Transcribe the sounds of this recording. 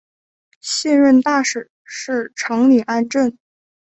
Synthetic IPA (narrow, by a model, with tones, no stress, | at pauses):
ɕjɛ˥˧nɻə˥˧nt̪a˥˩ʂɻ̩˨˩ | ʂɻ̩˥˩ʈ͡ʂʰɤ˧˥ŋli˨˩ʔa˥nʈ͡ʂə˥˩n